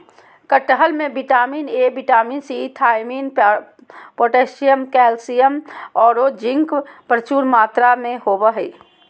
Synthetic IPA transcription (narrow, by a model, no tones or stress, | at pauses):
kəʈəɦəlmẽbiʈaːmiːnebiʈaːmiːnsit̪ʰaːɪmiːn | poːʈeʃijəmkɛːlsijəmɔːɾod͡ʒɪ̃ŋkpɾət͡ʃuːɾmaːt̪ɾamẽhobəɦəi